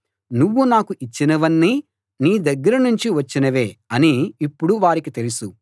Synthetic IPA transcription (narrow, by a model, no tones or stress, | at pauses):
nuʋːunaːkuʔit͡ʃːinɐʋɐnːi | niːd̪ɐɡːɐɾɐnuɲt͡ʃiʋɐt͡ʃːinɐʋeːɐniːpːuɽuʋaːɾikit̪e̞lisu